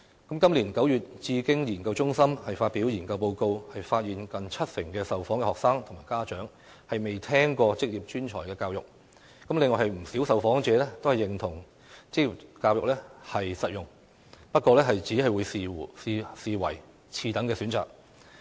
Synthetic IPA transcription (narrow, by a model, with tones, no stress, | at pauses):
kɐ˨˥mkɐ˥mliː˨˩nkɐ˨˥wjyː˨t̚t͡siː˧kɪ˥ŋjiː˨˩nkɐ˧wt͡ʃʊ˥ŋsɐ˥mhɐ˨jfaː˧t̚pi˨˥wjiː˨˩nkɐ˧wpo˧wko˧whɐ˨jfaː˧t̚jiː˨nkɐ˨nt͡sʰɐ˥t̚sɪ˨˩ŋkɛː˧sɐ˨wfɔː˨˥ŋɛ˧hɔː˨k̚saː˥ŋt̪ʰʊ˨˩ŋmaː˨˩jkaː˥t͡ʃœː˨˥ŋ | hɐ˨jme˨jt̪ʰɛː˥ŋkɔː˧t͡sɪ˥k̚jiː˨˩p̚t͡ʃyː˥nt͡ʃʰɔ̰ː˨˩jkɛː˧kaː˧wjʊ˨k̚ | kɐ˨˥mlɪ˨ŋɔː˨jhɐ˨jm̩˨˩si˨˥wsɐ˨wfɔː˨˥ŋt͡sɛː˨˧lɛ˥t̪o˥whɐ˨˩jɪ˨ŋt̪ʰʊ˨˩ŋ | t͡sɪ˥k̚ji˨˩p̚kaː˧wjʊ˨k̚lɛː˥hɐ˨jsɐ˨t̚jʊ˨ŋ | pɐ˥t̚kʷɔː˧lɛː˥ɦɐ˨jt͡si˨˥ɦɐ˨jwuː˨˧ji˨si˨˧siː˨wɐ̰˨˩j | t͡sʰiː˧t̪ɐ˨˥ŋkɛː˧syː˨˥nt͡sa̰ː˨k̚